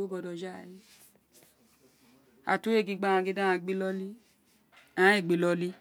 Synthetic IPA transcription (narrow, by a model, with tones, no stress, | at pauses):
o˦bɔ˧dɔ˧d͡ʒa˦˨li˦ | a̰˨tu˦e˦˨ɡĩ˧ɡ͡bã˦˨ã˧ɡi˦dã˦ã˧˨ɡ͡be˦lɔ˦li˦ | ã˨˦i˦˨ɡ͡be˨lɔ˧˦li˦